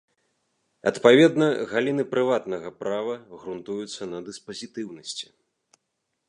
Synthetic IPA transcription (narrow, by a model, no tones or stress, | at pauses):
ɐ̰t̪pavʲɛd̪nɐɣalʲinɨpɾɨvat̪nɐɣɐpɾavɐɣɾunt̪ujut̪sːɐnɐd̪ɨspɐzʲit̪ɨwnɐsʲt͡sʲi̥